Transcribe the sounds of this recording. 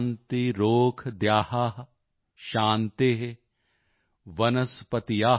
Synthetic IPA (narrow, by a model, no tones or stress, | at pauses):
nt̪iɾoːkʰd̪jaːhaːɦ | ʃaːnt̪eːɦe | ʋɐnɐspɐt̪ijaː